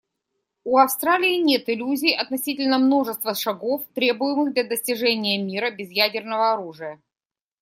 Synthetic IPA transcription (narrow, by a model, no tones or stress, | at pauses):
uɐfst̪ɾalʲɪːnʲe̞t̪ɪlʲuzʲɪjɐt̪nɐsʲitʲɪlʲnəmno̞ʐɨst̪vəʂɐɡoft̪ɾʲe̞bʊjɪmɨɣd̪lʲɐd̪əsʲtʲɪʐɛnʲɪjəmʲiɾəbʲɪzjædʲɪrnəvəɐɾuʐɨjə